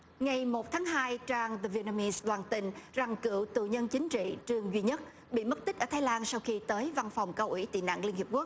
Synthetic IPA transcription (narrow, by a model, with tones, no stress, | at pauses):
ŋa˨˩jmo˨˩t̚t̪ʰaː˨˦ŋɦaː˧jt͡ɕaː˧ŋðə˧vi˧na˧mi˧sɗ̪waː˨˩nt̪ï˧ŋ̟za˨˩ŋkɨ̰˧˨əwt̪ṵ˧˨ɲə˧nt͡ɕï˨˦ŋ̟t͡ɕḭ˧˨t͡ɕɨ˧əŋzwi˧ɲə˦˥t̚ | ɓḭ˧˨mə˦˥t̚t̪i˦˥k̟̚əː˧˩t̪ʰːjlaː˧nsa˧wxi˧t̪əː˨˦jva˧nfa˨˩wŋ͡mkə˧wʔi˧˩˥t̪ḭ˧˨na̰ː˧˨ŋli˧ənhi˨˩əp̚ku˦˥ək̚